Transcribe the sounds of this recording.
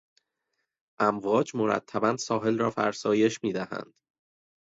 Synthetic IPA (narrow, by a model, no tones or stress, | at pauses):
ʔæmvɒːd͡ʒmo̞ɾæ̰t̪ʰːæbænsɒːɦe̞lrɒːfæ̰ɾsɒːje̞ʃmiːd̪æhæ̰nd̪̥